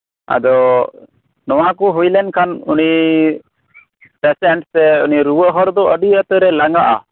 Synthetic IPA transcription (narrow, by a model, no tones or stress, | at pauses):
a̰d̪ɔ | nɔwakuɦujlɛnkʰanuni | pɛsɛɳʈsɛuniɾuwəʔɦɔɾd̪ɔəɖiət̪əɾɛlaŋɡaʔa̰